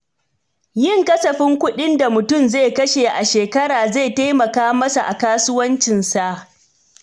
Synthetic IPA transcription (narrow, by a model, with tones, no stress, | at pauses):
jɪ˦˨ŋkɐ˦sɐ˨ɸɪ˦ŋkʷʊ˦ɗɪ˦nda˨mʊ˨tʊ˦˨mza˦˨kɐ˦ʃeː˨ʔa˨ʃeː˨kɐ˦ɽaː˨za˦˨jta˦jmɐ˨kaː˦mɐ˦sa˨ʔa˨kaː˦sʊ˦wɐ˦nt͡ʃɪ˨nsa˨ʔ